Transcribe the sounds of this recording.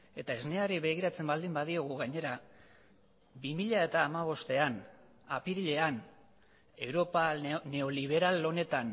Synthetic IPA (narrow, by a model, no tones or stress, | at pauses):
e̞t̪aezneaɾiβe̞ɣ̞iɾat͡se̞mbald̪imbaðio̞ɣ̞uɣaɲe̞ɾa | bimiʎae̞t̪aːmaβ̞o̞st̪e̞an | apiɾiʎe̞an | e̞wɾo̞pane̞o̞liβ̞e̞ɾalo̞ne̞t̪an